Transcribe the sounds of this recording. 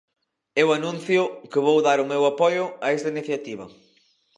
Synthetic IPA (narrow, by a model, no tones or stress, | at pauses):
ɛwɐnũnθjʊkɪβowðaɾʊmewapɔjʊɐest̪ɐiniθjat̪iβɐ̰